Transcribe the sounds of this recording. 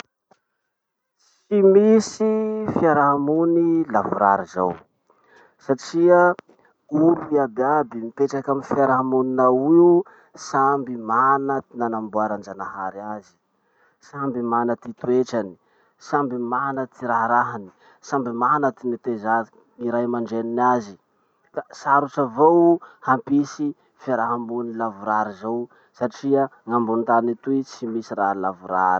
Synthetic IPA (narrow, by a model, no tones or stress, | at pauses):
s | imisifiaɾaɦamunilavuɾa̰ɾiza̰w | saʈ͡ʂia | uɾuiabiabimipeʈ͡ʂakamifiaɾaɦamuninawiu | sambimanat̪inanambuaɾand͡ʒanaha̰ɾiazi̥ | sambimanət̪it̪ueʈ͡ʂani̥ | sambimanət̪ʰiɾaɦɾaɦani̥ | sambimanət̪imit̪eza | iɾajmaɳɖ͡ʐeninazi | kasaɾuʈ͡ʂavowhampisi | fiaɾaɦambunilavuɾaɾizaw | saʈ͡ʂiəŋambunt̪anit̪uit͡simisiɾaɦlavuɾaɾi̥